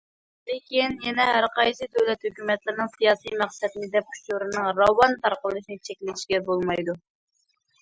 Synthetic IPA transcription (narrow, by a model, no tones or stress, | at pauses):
lɪkʲinjɛnɛɦæɾqʰɑjsɨd̪øwlɛt̪høkʲymɛt̪lɪɾnɨŋsijɑːsijmæχsɛd̪ɪnɪd̪ɛp̚u̥ʃuɾɨnɨŋɾɑwːɑnt̪ɑɾqəlˠɨʃinɨt͡ʃʰɛkʲlɪt̪ʰiʃɡʲɛbolˠmɑjd̪u